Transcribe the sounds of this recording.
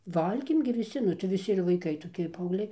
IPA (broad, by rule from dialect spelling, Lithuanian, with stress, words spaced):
ˈʋɐlʲɡʲeːm ɡʲɪ ʋʲɪˈsʲɪ nʊ tɐɪ ʋʲɪˈsʲɪ ɪr ʋɐɪˈkɐɪ toːˈkʲɪ pɐɐʊɡˈlʲɛɪ